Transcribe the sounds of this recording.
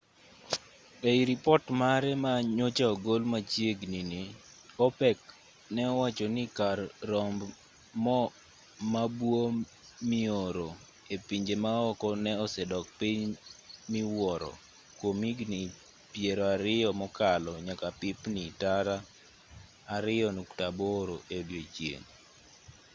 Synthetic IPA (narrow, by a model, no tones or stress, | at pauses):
eiɾipɔtmaɾɛmaɲot͡ʃaɔɡolmat͡ʃjeɡnini | ɔpɛk | nɛɔwat͡ʃɔnɪkarːɔmb | mɔ | mabwo | mɪoɾo | epiɲd͡ʒemaɔkɔnɛɔsɛdɔk̚piɲmiwɔɾɔ̰ | kwomiɡni | pjeɾɔaɾɪjɔmɔkalɔɲakapɪpnitaɾa | aɾɪjɔnuktaboɾoʔedjot͡ʃjḛŋ